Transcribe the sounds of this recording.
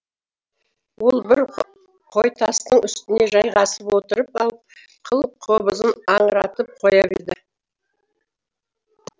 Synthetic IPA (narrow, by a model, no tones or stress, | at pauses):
wo̞lˠbɪɾ | qʰo̞jt̪ʰɑst̪əɴʏst̪ɪne̞ʒɑjʁɑsəpwo̞t̪əɾəpɑlˠp | qʰəlˠəqʰo̞bəzənɑɴɾɑt̪əp̚qʰo̞jɑbḛd̪ɪ